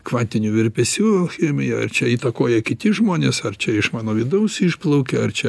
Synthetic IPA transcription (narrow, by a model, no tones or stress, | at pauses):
kʋɑːnʲt̪ʲɪnʲuʋʲɪɾʲpʲɛsʲuːoxʲɛmʲɪjɛɐ̰rt͡ʃʲɛiːt̪ɐkoːjɛkʲɪt̪ʲɪʒmoːnʲesɐrt͡ʃʲɛɪʃmɑːnoːʋʲɪd̪ɐʊsiʃplˠɐʊkʲɛɐrt͡ʃʲɛ